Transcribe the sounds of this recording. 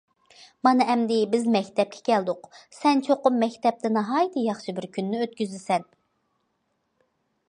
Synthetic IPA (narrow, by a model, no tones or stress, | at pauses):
mɑnɨɛmd̪ɪbɪzmɛkʲt̪ʰɛp̚kʲʰɛ̥kʲʰɛld̪ʊqsɛnt͡ʃʰoqʊmːɛkʲt̪ɛp̚t̪ʰɪnɑɦɑːjɨt̪ʰɨjɑχʃɨbɪɾkʲʰynːyøt̪̚kʲyzɪsɛn